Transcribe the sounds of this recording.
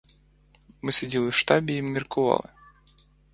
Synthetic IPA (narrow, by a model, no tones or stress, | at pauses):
mɨsʲɪdʲilˠɨfʂt̪abʲɪimːʲɪrkʊvɑ̰lˠɨ̰